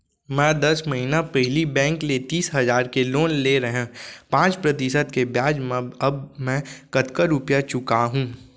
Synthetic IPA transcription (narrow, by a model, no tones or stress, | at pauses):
mɛ̃ːd̪ɐsmɐɦinapɛɦɪlibɛ̃ːŋklet̪iːsɦɐzaːɾkeloːnleɾɐɦẽpãːt͡ʃpɾɐt̪ɪsət̪kebjaːd͡ʒmẽɐbmɛ̃kɐt̪kəɾupjat͡ʃʊkaɦũː